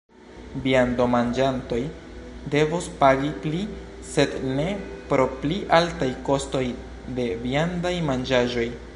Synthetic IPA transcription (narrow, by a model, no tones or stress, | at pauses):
biando̞mand͡ʒanto̞j | de̞vospaɡipli | se̞dne̞pɾo̞pliʔaltajko̞sto̞j | de̞biandajmand͡ʒaʒo̞j